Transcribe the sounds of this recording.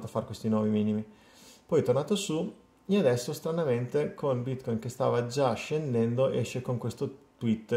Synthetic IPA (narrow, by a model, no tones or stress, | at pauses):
t̪oafːaɾkwest̪inwɔvimiːnimi | pɔjt̪ornaːt̪osu | ead̪ɛsːost̪ɾanament̪ekʰonbit̪kɔjnkest̪a̰ːvad͡ʒaʃːend̪ɛnd̪oʔɛʃːekoŋkwest̪ot̪wit̪ː